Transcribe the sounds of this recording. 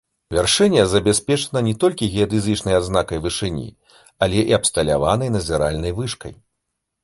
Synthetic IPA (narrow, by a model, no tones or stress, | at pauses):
vʲarʂɛnʲːɛzɐbʲɛsʲpʲɛt͡ʂɐnɐnʲɛt̪ɔlʲkʲiɣʲɛɛd̪ɨzɨt͡ʂnɐjad̪znakɐjvɨʂɨnʲḭ | ɐlʲɛʔiaɐpst̪ɐlʲa̰van̪ɐjnɐzʲɛɾalʲnɐjvɨʂkɐ̰j